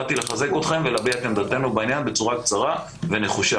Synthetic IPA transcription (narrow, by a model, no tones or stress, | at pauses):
t̪ileχaze̞kot̪χe̞mvelabiat̪emd̪at̪e̞nubainjanbe̞t͡suʁakt͡saʁa | ve̞neχuʃa